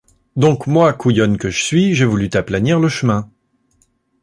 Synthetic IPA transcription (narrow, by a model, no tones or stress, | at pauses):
d̪ɔ̃kmwakujɔnkəʒəsɥiʒevulyt̪aplaniʁləʃəmɛ̃